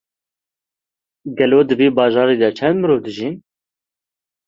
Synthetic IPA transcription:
ɡɛloːd̪ɨbiːbɑːʒɑːɾiːd̪ɛt͡ʃʰɛnd̪mɨɾoːd̪ɨʒin

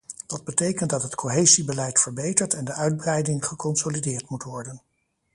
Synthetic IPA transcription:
dɑd̚bətejkəntdɑtɦətkʰoɦejzibəlɛjtfəɹbejtəɹtɛndəʔœɥd̚brɛjdɪŋχəkɔnsolidɪːɹtmutʋɔɹdən

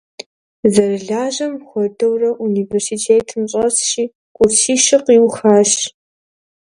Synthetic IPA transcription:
zɐrɨɮaːʑɐmxʷɔdɐwrɐʔuniːversitʰeːtʰɨmɕʼɐsʃiː | kʷʼʊrtʰiːʃɪqiːwxaːʃ

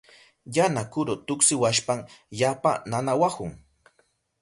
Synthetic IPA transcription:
janakʊɾʊt̪ʊksɪwaʃpaŋʎapa̰nanawahʊŋ

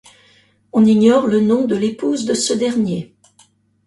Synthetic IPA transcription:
ɔ̃niɲɔʁlənɔ̃d̪əlepuzd̪əsəd̪ɛʁnje

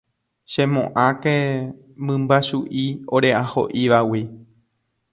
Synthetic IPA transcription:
ʃẽ̞mõ̰ʔãke | mɨ̃mbaʃuʔioɾe̞ʔaho̞̰ʔiʋawi

